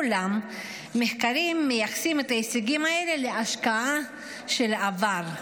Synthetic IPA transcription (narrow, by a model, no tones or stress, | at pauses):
lamː | eχkaʁimːejaχsimet̪ajesiɡimae̞le̞leaʃkaa | ʃe̞lavaʁ